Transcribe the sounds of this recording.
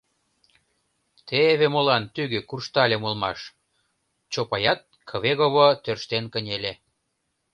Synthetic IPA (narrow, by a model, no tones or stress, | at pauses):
t̪eβemolɑnt̪yɣøkurʃt̪ɑlʲemulmɑʃ | t͡ɕopɑjɑt̪̚kʰɤ̆βeɣoβot̪ørʃt̪enkə̆nʲelʲe